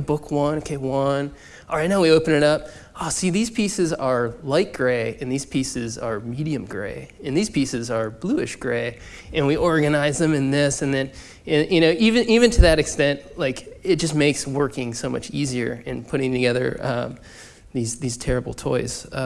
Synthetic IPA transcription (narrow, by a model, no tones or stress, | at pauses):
bʊkʰwʌ̃nokʰeɪwʌ̃n | ɔlˠɹaɪtⁿnaʊwioʊpɨ̃nɨɾʌp̚ | alˠsiðiz̥pʰisɨzə˞laɪt̚ɡ̥ɹeɪɨ̃nðiz̥pʰisɨzə˞miɾiɨ̃mɡɹḛɪɨ̃nðiz̥pʰisɨzə˞bluɨʃɡ̥ɹeɪ | ɨ̃nwiʔɔɹɡɨnaɪzðɨ̃mɨ̃nðɪsɨ̃nðɨ̃n | ɨ̃njɨɾ̃oʊʔivɨ̃nʔivɨ̃ntʰɨðɨɾɨkstɛ̃ntlaɪkɨt̚d̥ʒ̥ʌsmeɪkswɜ˞kɪ̃ŋsoʊmʌ̰t͡ʃiziə̰˞ɨ̃npʰʊɾɪ̃ŋtʰɨɡɛðə̰˞ʔʌ̃m | ðizðiz̥tʰɛɹɨbl̩ˠtʰɔ̰ɪz̥ʌ